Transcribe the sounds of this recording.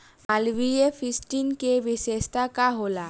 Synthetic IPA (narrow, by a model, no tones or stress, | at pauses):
alʋiefisʈiːnkeʋisest̪akaɦola